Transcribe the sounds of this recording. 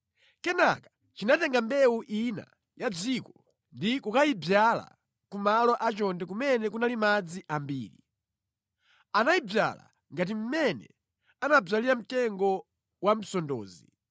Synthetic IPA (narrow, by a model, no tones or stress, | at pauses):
kɛnakḁ | t͡ʃinatɛŋɡambɛuʔina̰ | jad͡zikɔ | ndikukaibjala̰ | kumalɔʔat͡ʃɔndɛkumɛnɛkunalimad͡ziʔambḭːɾi | anajib͡vja̰la̰ | ŋɡat̬im̩mɛnɛ̰ | anab͡ʐaliɾam̩tɛŋɡɔ | wam̩sɔndɔːzi